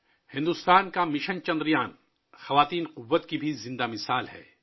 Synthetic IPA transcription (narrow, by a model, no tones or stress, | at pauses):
hɪ̃nd̪ʊst̪aːnkamɪʃənt͡ʃɐ̃nd̪ɾijaːn | xɐʋaːt̪iːnqʊʋːət̪kibʱizɪ̃nd̪amɪsaːlɦɛ̰ː